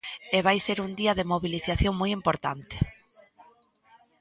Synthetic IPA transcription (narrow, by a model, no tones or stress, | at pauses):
eβajseɾund̪iɐðemoβiliθaθjoŋmojimpoɾt̪a̰nt̪ɪ̥